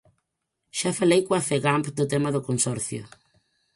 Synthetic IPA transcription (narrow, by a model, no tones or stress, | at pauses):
ʃafalejkwafeɣampd̪ʊt̪ɛmɐðʊkonsɔɾθjʊ̰